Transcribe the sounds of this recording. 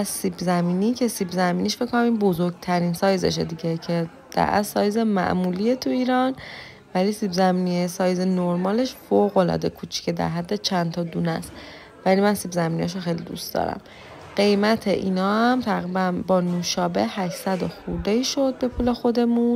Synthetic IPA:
æsibzæmiːnicʰe̞sibzæmiːniʃfeckʰkːonæminbo̞zoɾɡt̪ʰæɾinsɒːjze̞̰ʃed̪iɟecʰe̞ | d̪̥æ̰ʔæ̰sɒːjzemæ̰ʔmulie̞t̪ʰuiːɾɒn | vælisibzæmiːniesɒːjzenoɾmɒːle̞ʃfoɣo̞lɒ̰ːd̪e̞kʰuːt͡ʃʰi̥cʰed̪æ̰ɾɦæd̪ːe̞t͡ʃʰænt̪ʰɒːd̪unæst̪ | vælimænsibzæminijɒʃ̬oxe̞jlid̪ṵst̪d̪ɒ̰ːɾæ̰m | ɢ̥e̞jmæt̪ʰeʔiːnɒːhæmt̪ʰæɣɾibænbɒːnuʃɒːbe̞̰ʔhæʃsæd̪oxuɾd̪eiːʃo̞d̪̚be̞pʰuːle̞xo̞d̪e̞mũn

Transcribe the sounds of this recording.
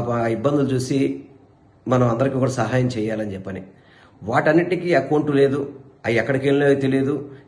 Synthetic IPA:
ibːɐnd̪ulut͡ʃuːsi | mɐnɐmɐnd̪ɐɾikiːkuːɽaːsɐɦaːjɐmt͡ʃɛːjaːlɐnit͡ʃɛpːɐni | ʋaːʈɐnːiʈikiɐkɐɳʈule̞ːd̪uɐɛkːɐɽɐkelleːt̪elid̪u

